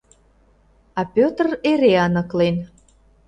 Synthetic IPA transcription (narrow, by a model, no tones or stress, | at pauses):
ɑpʲøt̪əreɾeɑnə̆klen